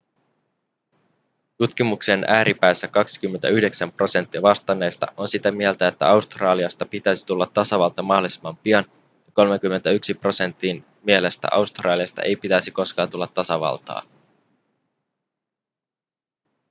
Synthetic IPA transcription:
t̪ut̪k̟imukse̞nʔæːɾʔipæːsːækɑksi̥k̟ymːent̪æyhde̞ksæmpro̞se̞nt̪ːiɑʋɑst̪ɑne̞ːst̪ɑ̰ʔo̞nsit̪æmie̞lt̪æet̪ːæ̰ɑust̪rɑːliɑst̪ɑpit̪æjsi̥t̪ulːɑt̪ːɑsɑʋɑlt̪ɑmɑɦdolisimːɑmpiɑn | jɑko̞lmeŋk̟ymːe̞nt̪æyksipro̞se̞nt̪ːin | mie̞le̞st̪æ̰ʔɑ̰wst̪rɑːliɑst̪ɑ̰ʔejpit̪æjsiko̞skɑːnt̪ulːɑt̪ːɑsɑʋɑ̰lt̪ɑ̰ː

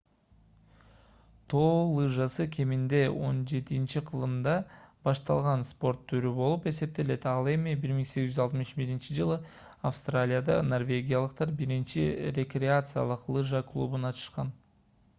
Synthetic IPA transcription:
t̪ʰo̞ːlˠɨʒasɯkʰʲe̞mind̪e̞o̞nd͡ʒe̞t̪int͡ʃiqʰɯlˠɯmd̪ɑbɑʃt̪ɑ̰lˠʁɑnspo̞rt̪ʰːyɾybo̞lˠupe̞se̞p̚t̪e̞le̞t̪ɑlˠe̞mibiɾmiŋse̞ɡizyzɑlˠt̪mɯʃbiɾint͡ʃid͡ʒɯlˠɯ | afst̪ralʲijad̪ɑ̰no̞rvʲe̞ɡʲijalˠɯq̚t̪ɑɾbiɾint͡ʃiɾʲe̞krʲeat̪sɨja̰lˠɯqlˠɨʒaklˠṵbunɑt̪ʰɯ̥ʃqɑn

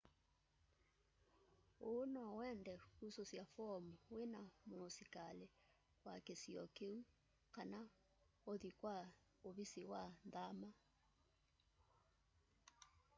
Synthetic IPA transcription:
onɔwɛndɛkusosjafɔmuwenamosikale | wakesiɔkeu | kana | oðikwa | oβisiwanðama

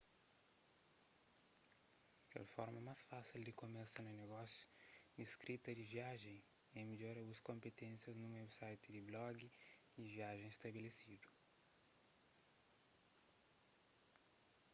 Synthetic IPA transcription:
pɛ̰lfɔ̰ɾmɐmasfasild̪ɪkomesɐnʊneɡɔsjʊ̥d̪iskɾʔit̪ɐd̪ɪviaʒẽj̃ | ɛ̃meʎoɾɐuɐskõmpet̪ẽsjɐznʊmewsajt̪ɪd̪ɪblɔɡi | d̪ɪviaʒẽj̃est̪ɐbelesid̪ʊ

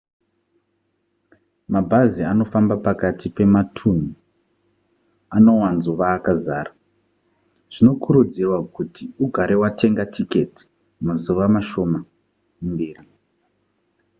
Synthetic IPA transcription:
mabʱaziano̞fambapakatipe̞matʰun̤u | ano̞wanzuʋaːkazaːra | ʐ̥ino̞kuɾud͡zirwakutʰiuɡʱaɾe̞wate̞ŋɡatʰike̞ti̥ | muzuʋamaʃo̞ma | umbiːri

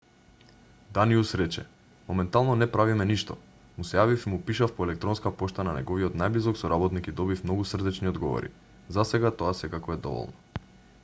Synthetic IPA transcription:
d̪aniusɾɛt͡ʃɛ̰ | mɔmɛnt̪alˠnɔnɛpɾavimɛniʃt̪ɔ̰ | musɛjavifimupiʃafpɔɛlɛk̚t̪ɾɔnskapɔʃt̪ananɛ̰ɡɔviɔt̪najblizɔksɔɾabɔt̪nikid̪ɔbifmnɔɡusr̩d̪ɛt͡ʃniod̪ɡɔvɔ̰ɾḭ | zasɛɡat̪ɔasɛkakɔɛd̪ɔ̰vɔ̰lˠnɔ

